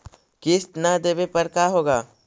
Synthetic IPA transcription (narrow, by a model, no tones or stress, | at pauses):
kɪst̪nad̪eːbepəɾkaːɦoːɡaː